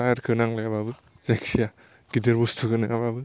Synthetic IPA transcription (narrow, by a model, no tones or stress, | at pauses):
ajaɾkʰɯnaŋlajababɯ | zaksija | ɡ̥ideɾbustʰuɡɯnɯababɯ